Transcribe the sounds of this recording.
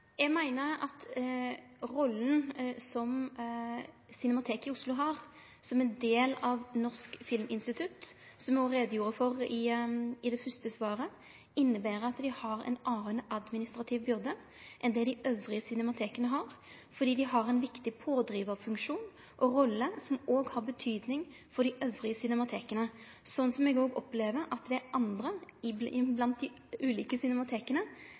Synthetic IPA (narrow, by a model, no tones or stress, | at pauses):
jæɡmæɪnəɾɑ̰t̪ | ɾɔlːən̩sɔm | sɪnɛmɑt̪ʰeːkɪʊslʊɦɑɾ | sɔmɛnd̪eːlɑʋnɔʁskfɪlmɪnst̪ɪt̪ʰʉt̪ | sɔmɔɾeːd̪əjuːɾəfɔɾɪɪd̪ɛfʏst̪əsʋɑːɾə | ɪnːəbæːɾəɾɑt̪d̪ɪhɑɾɛ̰nʔɑːɾənəɑd̪mɪnɪst̪ɾɑt̪ʰɪʋbʏʁd̪ə | ʔɛnd̪ɛd̪ɪʔøːʋɾɪəsʏnɛmɑt̪ʰeːkənəɦɑɾ | fɔɖ̪iːd̪ɪɦɑɾɛnʋɪkt̪ɪpʰoːd̪ɾiːʋəfʉŋkʃuːn | ʔɔɾɔlːəsɔmoːɡhɑɾbət̪ʰyːd̪nɪŋ | fɔɖɪʔøːʋʁɪəsʏnɛmɑt̪ʰeːkənə | sɔnːsɔmɛɡoːɡɔpleːʋəɾʔɑt̪d̪ɛæɾɑnd̪ɾəɪɪblɑnt̪̚d̪ɪ | ʉːliːkəsʏnɛmɑt̪ʰeːkənə